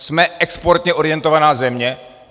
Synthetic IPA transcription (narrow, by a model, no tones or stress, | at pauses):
smɛʔɛkspo̞ɾt̪ɲɛʔo̞ɾɪjɛnt̪o̞vanaːzɛmɲɛ